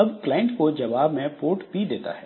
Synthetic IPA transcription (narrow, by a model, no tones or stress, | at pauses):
ɐbklaːɪ̃ɳʈkod͡ʒɐʋaːbmẽpoːɾʈpid̪eːt̪a̰ɦɛː